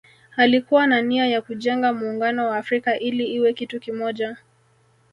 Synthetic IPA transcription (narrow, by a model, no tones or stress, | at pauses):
alikuwananiajakuʄɛŋɡamuːŋɡanɔwaːfɾikaʔiliiwɛkitukimɔʄa